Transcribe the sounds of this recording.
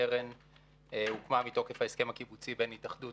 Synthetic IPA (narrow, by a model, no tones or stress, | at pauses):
eʁen | ukmamito̞ke̞fhaeskemakibut͡sibenhitaχdu